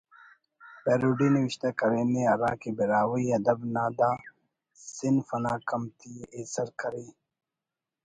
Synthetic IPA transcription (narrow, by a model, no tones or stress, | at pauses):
peːɾuːɖiniwɪɕt̪akɐɾeːneɐɾaːkibiɾaːwiɐd̪ɐbnaːd̪aː | sɪnfɐnaːkɐmt̪ieːsɐɾkɐɾiː